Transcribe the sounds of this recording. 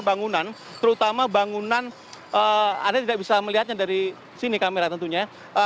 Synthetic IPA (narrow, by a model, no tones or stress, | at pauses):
baŋunan | t̪əɾut̪amabaŋunan | əa̰rdat̪idak̚bisaməliɦat̪̚ɲadaɾi | sinikameɾat̪ənt̪uɲa | ʔə